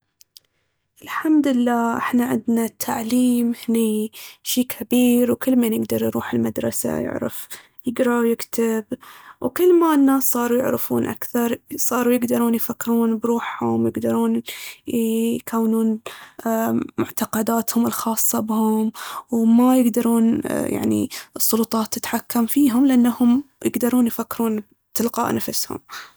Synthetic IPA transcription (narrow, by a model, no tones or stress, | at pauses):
ʔɪlħamd̪lːaːʔɪ̰ħnaʕɪ̰d̪nat̪ʰːaʕliːmhniːʃiːkʰabiːɾwkɪlːmanjɪɡd̪ɑɾˤjɾuːħɪlmad̪ɾˤɑ̰sa̰jɪ̰ʕɾɪ̰f | jɪɡɾˤɑwjɪkt̪ɪbwkɪlːmanːaːsːˤɑːɾˤujɪ̰ʕɾɪfṵːnʔa̰kθɑɾˤsˤɑːɾujɪɡd̪ɑɾˤuːnjfakːɾuːnbɾuːħhʊmwjɪɡd̪ɑɾˤuːn | kʰawːnuːn | mʊ̰ʕt̪ɑqɑd̪aːt̪hʊmɪlxɑːsˤːɑbɪhʊmwmajɪɡd̪ɑɾˤuːnja̰ʕnḭɨsˤːʊlʊt̪ˤɑːt̪ːɪt̪ħakːamfiːɦʊmlɪʔanːahʊmjɪɡd̪ɑɾˤuːnjfakːɪɾuːn | t̪ɪlqɑ̰ːʔnafɪshʊ̰m